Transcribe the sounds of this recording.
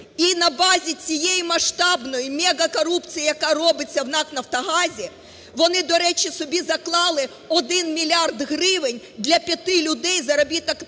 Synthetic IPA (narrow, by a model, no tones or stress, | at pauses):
inɐbɑzʲit͡sʲijejimɐʃt̪ɑbnɔjimʲɛɡɐkɔɾupt͡sʲijijɐkɑɾɔbɪt͡sʲːɐwnɑknɐft̪ɐɦɑzʲi | ʋɔnɪd̪ɔɾɛt͡ʃʲisɔbʲizɐklˠɑlˠɪ | ɔd̪ɪnmʲilʲɑrd̪ɦɾɪʋɪnʲ | d̪lʲɐpʲjɐt̪ɪlʲʊd̪ɛjzɐɾɔbʲit̪ɐk